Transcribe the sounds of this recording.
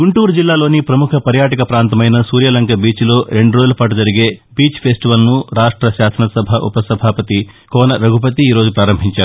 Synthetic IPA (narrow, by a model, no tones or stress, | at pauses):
ɡuɳʈuːɾud͡ʒilːaːlo̞ːnipɾɐmukʰɐpɐɾjaːʈɐkɐpɾaːnt̪ɐmɐjnɐsuːɾjɐlɐŋkɐbiːt͡ʃlo̞ːɾe̞ɳɖuɾod͡ʒulɐpaːʈ̬ud͡ʒɐɾiɡe̞ːbiːt͡ʃpʰeːsʈiʋɐlnuɾaːʂʈɾɐʃaːsɐnɐsɐbʱɐʔṵpɐsɐbʱaːpɐt̪i | kɔːnɐɾɐɡʱup̬ɐt̪̬iiːɾo̞ːd͡ʒupɾaːɾɐmbʱiɲt͡ʃaːɾu